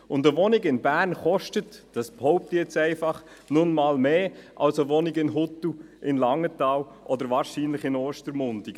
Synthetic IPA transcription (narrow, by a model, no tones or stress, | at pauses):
ʊndəʋɔnɪɡɪnbæːrnχɔʃtətd̥ɑsphɔʊp̚tiɛt͡sɛɪfɑχ | nʊnmɑːlmeːʔɑ̰lsəʋɔnɪɡɪnɦʊtːuʔɪnlɑŋətɑːw | ʔɔd̪əɾʋɑːɾʃiːnlɪχɪnɔːʃtəɾmʊndiɡ̥